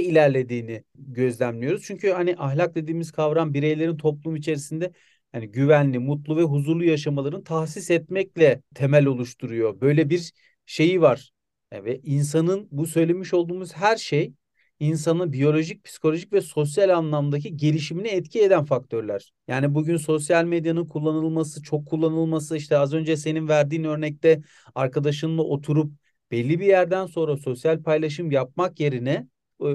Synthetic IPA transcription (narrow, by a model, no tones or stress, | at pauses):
ilʲæɾlʲe̞d̪iːniɟø̞zlʲænlʲijo̞ɾuz̥t͡ʃʰyɲcʰyhaniʔaɦlʲak̚d̪e̞d̪iːmiz̥kʰavɾanbiɾejlʲe̞ɾint̪ʰo̞plˠumuit͡ʃʰe̞ɾisind̪ɛ | haniɟyvænlʲimut̪lˠuvɛɦuzuɾlˠujaʃ̬amalˠaɾɯnt̪ʰahsisɛt̪̚mɛclʲɛt̪ʰe̞mælʲo̞lˠuʃt̪ʰuɾujo̞bø̞jlʲɛbiɾ | ʃe̞jivaɾ̥ | vɛʔins̬anɯnbusø̞jlʲe̞miʃo̞lˠd̪uːmuz̥ɦæɾʃej | ins̬anɯbijo̞lʲo̞ʒic̚pʰsi̥kʰolʲo̞ʒicʲvɛso̞s̬jalʲanlˠamd̪acʰiɟeɾiʃiminiɛt̪cʰie̞d̪ænfak̚t̪ʰø̞ɾlʲæ̰ɾ̥jaːnibuɟynso̞sjalʲmed̪janɯnkʰulˠːanɯlˠmasɯt͡ʃʰo̞kʰːulˠːanɯlˠmasɯiʃt̪ʰɛazø̞nd͡ʒɛse̞ninvæɾd̪iːnø̞ɾnɛc̚t̪ʰɛ | aɾkad̪aʃ̬ɯnd̪ˠaʔo̞t̪ʰuɾup̚ | b̥ɛlʲːibijæɾd̪ænso̞nɾaso̞sjalʲpʰajlˠaʃ̬ɯmjap̚makje̞ɾinɛ